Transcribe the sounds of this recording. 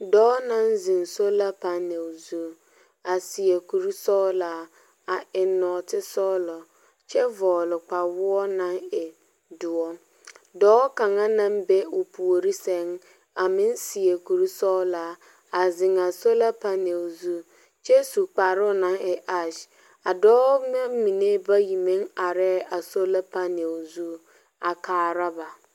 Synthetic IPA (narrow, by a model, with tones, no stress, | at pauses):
dɔː˨˦nã˦n˦zɪ˨ŋ˨so˦la˦pa˦ne˨wzu˦ | a˨si˨e˨ku˨ɾi˦sɔ˦laː˨˦ | a˨ʔɪ˨nɔ˨tɪ˦sɔ˦lɔ˨ | t͡ʃɛ˦vɔː˨lʊ˨k͡pa˨wʊ˦ɔ˦nã˦ŋɛ˨ | dʊ˨ɔ˦ | dɔː˨˦ka˨ŋa˦nã˦m˦be˦ʊ˨pʰu˨o˨ɾi˦sɛ˦ŋ | a˨mɪ˦n˦si˨e˨ku˨ɾi˦sɔ˦la˨˦ | a˨zɪ˨ŋa˨so˦la˦pa˦ne˨zu˦ | t͡ʃɛ˦su˨k͡pa˨ɾʊ˦na˨ŋɛ˨ʔa˦ʃ | a˨dɔː˦na˦mi˨ne˦ba˦ji˨me˦ŋa˨ɾɛ˦a˨so˦la˦pa˦ne˨zu˦ | a˨kaː˨ɾa˦ba˨